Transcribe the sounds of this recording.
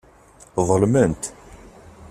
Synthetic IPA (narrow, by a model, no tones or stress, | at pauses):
ðˤəlmənt̪